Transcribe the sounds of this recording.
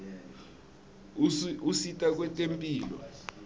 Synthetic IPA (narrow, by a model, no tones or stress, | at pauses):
usitʼak̬wɛtʼempʼiːlɔ̰